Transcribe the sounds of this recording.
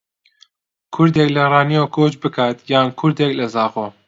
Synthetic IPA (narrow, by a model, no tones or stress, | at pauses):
kʰʊɾd̪eːklɐrɑːnijokʰoːt͡ʃbɨkʰaːt̪jaːnkʰʊɾd̪eklɐzɑːqoː